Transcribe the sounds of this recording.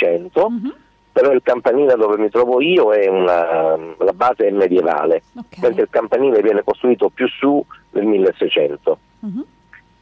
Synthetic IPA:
ɛnt̪o | peɾɔilkampaniːled̪oːvemit̪ɾɔːvoiːoɛunalabaːzeɛmːed̪jeva̰ːlement̪ɾeilkampaniːlevjɛːnekost̪ɾuiːt̪opjusːunelmilːesːɛjt͡ʃɛnt̪o

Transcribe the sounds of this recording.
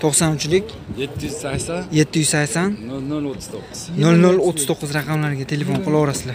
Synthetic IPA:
t̪ʰoqsanʊt͡ʃlɪkʲ | jet̪ʰːɪjyz̥sakʲsanje̞t̪ʰːɪjyzsakʲsannolnolot̪ʰːɪ̥z̥t̪ʰoq̪ːnolnolot̪ʰːɪzt̪ʰoqːɨzɾɑqʰɑmlaɾɡʲat̪ʰe̞le̞fo̞nqʰɨlˠɒɾasɪd̪a

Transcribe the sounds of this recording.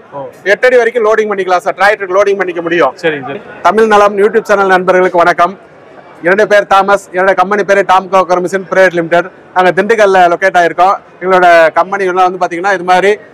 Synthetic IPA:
ɛʈːɐɽiʋɐɾɐɪkːɯ̃loːɽɪŋpɐɳːɪkːɐlãːsaːɾʈɾaːɪʈːkːloːɽɪŋɡpɐɳːɪkːɐmʊɽɪjõːsɐɾɪŋɡɐst̪ɐmɪɻnɐlɐmjuːʈ̬juːb̚t͡ʃɐnɐlnɐnbɐɾɣɐɭɯkːɯʋɐnɐkːɐm | ɪɾɐɳɖɯpeːɾt̪aːmɐsɪɾɐɳɖɯkɐmpɛnipeːɾet̪aːmkokɐɾɐmɪsɐnpɪɾɐeːʈ̬lɪmɪʈɐɖ | naːŋɡɐd̪ɪɳɖɯkɐllɐlɔkeːʈːaːjɪɾɯkːõ | ɛŋɡɐɭoːɽɐkɐmpɐnɪɣɐɭnːaːʋɐnd̪ɯpaːɾt̪iːŋɡɐnːaːɪðɯmaːd̪ɾi

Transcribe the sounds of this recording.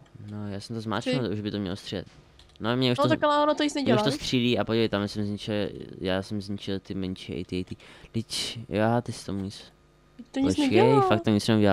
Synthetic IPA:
nojaːsɛmt̪ozma̰ːt͡ʃnɛlt̪uʒbɪt̪omɲɛ̰lost̪r̥ida̰t̪ | nomɲɛʔuʃot̪akalaoɾat̪oɲit͡snɛɟɲɛɛuʃt̪ost̪r̥iliːapodɛjt̪amɛsɛmzɲɪt͡ʃɪljaːsɛmzɲɪt͡ʃɪlt̪ɪmɛɲt͡ʃiɛ̰ʔɪ̰t̪ɪɛjt̪iːlɪcjaat̪ɪsɪ̥t̪omuɲit͡s | t̪oɲɛkɛjfaktt̪ːoɲɪt͡snɛuɟɛla

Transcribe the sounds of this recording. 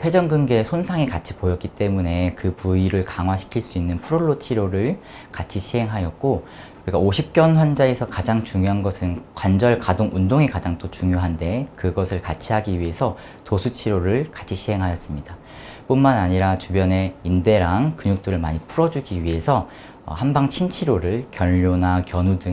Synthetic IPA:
ɸʰwe̞d͡ʑʌŋɡɯnɡesʰonsʰaŋekat͡ɕʰi̥pojʌt̚k͈it͈e̞mune̞kɯpuiɾɯɭkaŋɦwaɕʰi̥kʰiɭs͈uinːɯnpʰuɾoɭːot͡ɕʰiɾoɾɯɭ | kat͡ɕʰiɕʰiɦe̞ŋɦajʌt̚k͈o | ɾiɡaoɕʰip̚k͈jʌnɸwand͡ʑae̞sʰʌkad͡ʑaŋt͡ɕuŋjoɦanɡʌsʰɯnkwand͡ʑʌɭkadoŋundoŋekad͡ʑaŋt͈ot͡ɕuŋjoɦande̞kɯɡʌsʰɯɭkat͡ɕʰiɦaɡiɥiɦe̞sʰʌ | tosʰut͡ɕʰiɾoɾɯɭkḁt͡ɕʰiɕʰiɦe̞ŋɦajʌs͈ɯmɲida | p͈unmanaɲiɾat͡ɕubjʌne̞inde̞ɾaŋkɯɲuk̚t͈ɯɾɯɭmaɲipʰuɾʌd͡ʑuɡiɥie̞sʰʌ̰ː | hambaŋt͡ɕʰint͡ɕʰiɾoɾɯɭkjʌʎːonakjʌnudɯ

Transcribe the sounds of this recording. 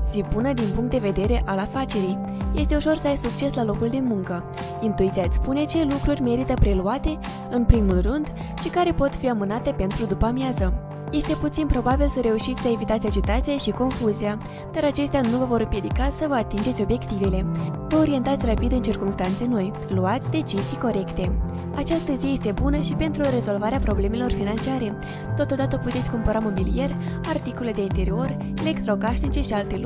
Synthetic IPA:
sipunəd̪inpuŋkt̪d̪e̞ve̞d̪e̞ɾe̞ʔalafat͡ʃe̞ɾij | je̞st̪e̞uʃo̞rsəajsuk̚t͡ʃe̞slalo̞kuld̪e̞muŋkə | int̪uit̪siat̪sʲspune̞t͡ʃe̞lukɾurʲme̞ɾit̪əpɾe̞luat̪e̞ | ɨnpɾimulrɨnd̪ | ʃikaɾe̞po̞t̪fiamɨnat̪e̞pe̞nt̪ɾud̪upamjazə | je̞st̪e̞put̪sinpɾo̞babilsəɾe̞uʃit̪sʲsəe̞vit̪at̪sʲad͡ʒit̪at̪sijaʃiko̞nfuzia | d̪̥aɾat͡ʃe̞st̪eanuvəvo̞ɾɨmpje̞d̪ikasəvəat̪ind͡ʒe̞t̪ʲo̞bje̞kt̪ive̞le̞vəo̞ɾie̞nt̪at̪sʲrapid̪ɨnt͡ʃirkumst̪ant̪se̞no̞j | luat̪sʲd̪e̞t͡ʃizijko̞ɾe̞kt̪e̞ | at͡ʃast̪əzije̞st̪e̞bunəʃipe̞nt̪ɾuɾe̞zo̞lvaɾeapɾo̞ble̞me̞lo̞rfinant͡ʃiaɾe̞ | t̪o̞t̪o̞d̪at̪əput̪e̞t̪sʲkumpəɾamo̞bilije̞rʲart̪ikoleled̪e̞int̪e̞ɾio̞r | ele̞kt̪ɾo̞kaʃnit͡ʃe̞ʃialt̪e̞lu

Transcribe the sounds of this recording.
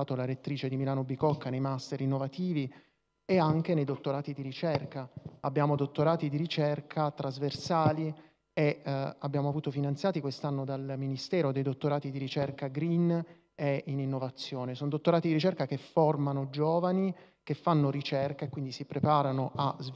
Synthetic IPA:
aːt̪olaɾet̪ːɾiːt͡ʃed̪imilaːnobikɔkːanejmast̪eɾinːovat̪iːvi | eaŋk̟enejd̪ot̪ːoɾaːt̪id̪iɾit͡ʃɛrkaabːjaːmod̪ot̪ːoɾaːt̪id̪iɾit͡ʃɛrkʰat̪ɾazversaːli | eabːjaːmoavuːt̪ofinant̪sjaːt̪ikwest̪anːod̪alminist̪ɛːɾod̪ejd̪ot̪ːoɾaːt̪id̪iɾit͡ʃɛrkaɡɾin | eininːovat̪sːjoːnesoːnod̪ot̪ːoɾaːt̪id̪iɾit͡ʃɛrkakefːormanod͡ʒoːvanikefːanːoɾit͡ʃɛrkaekːwind̪isipɾepaːɾanoʔaz

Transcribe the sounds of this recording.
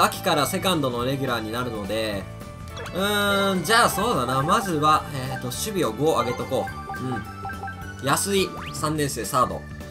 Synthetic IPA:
akʲi̥kaɾase̞kãnd̪o̞no̞ɾe̞ɡʲyɾaːɲ̟inaɾɯ̟no̞d̪e̞ | ɯ̟̃d͡ʑaːso̞ːd̪anamazɨβaet̪o̞ɕɨbʲio̞ɡo̞ːaɡe̞t̪o̞ko̞ː | ɯ̟̃ɴ | jasɨi | sãnːẽ̞ɰse̞ːsaːd̪o̞̰

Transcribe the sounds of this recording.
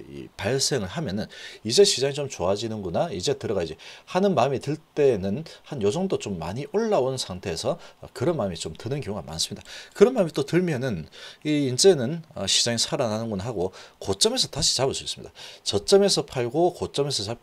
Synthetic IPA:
ḭpaɭs͈e̞ŋɯɭɦamjʌnɯnid͡ʑe̞ɕʰid͡ʑaŋit͡ɕomt͡ɕoad͡ʑinɯnɡunaid͡ʑe̞tɯɾʌɡad͡ʑihanɯnmaɯmitɯɭt͈e̞nɯnhanjosʰʌŋdot͡ɕomːa̰ɲiʔoɭːaonsʰaŋtʰe̞ːsʰʌːkɯɾʌnmamit͡ɕomtɯnɯnkjoŋɡa̰ma̰ns͈ɯmɲid̥akɯɾʌnmaːmit͈otɯɭmjʌnɯniːnt͡ɕe̞nɯnʌɕʰid͡ʑaŋisʰaɾananɯnɡunaɦaɡokot͡ɕ͈ʌme̞s̬ʰʌtaɕʰi̥t͡ɕabɯɭs͈uis͈ɯmɲḭd̥at͡ɕʌt͡ɕ͈ʌme̞sʰʌpʰaɭɡokot͡ɕ͈ʌme̞sʰʌt͡ɕa

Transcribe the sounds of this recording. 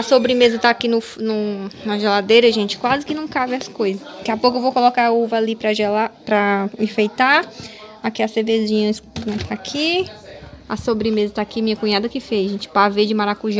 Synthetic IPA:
ɐsobɾɪmezɐt̪aːkinʊfnʊnɐʒelad̪ejɾɐʒẽnt͡ʃɪ̥kwazɪkɪnɐ̃w̃kabɪɐskojzɐsakɪapowk̬ʊewvowkolɔkaauvɐalipɾɐʒɛlapɾɐifejt̪aakiɐsevezĩɲɐsnɛ̃t̪ʰaːkʰi | asobɾɪmezɐt̪aːkimĩɲɐkũɲad̪ɐkɪfejʒẽnt͡ʃɪ̥paved͡ʒɪmaɾakuʒã

